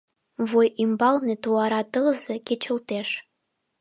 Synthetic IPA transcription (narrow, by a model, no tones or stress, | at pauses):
vojimbɑlnet̪uɑɾɑt̪əlzeket͡ɕə̆lt̪eʃ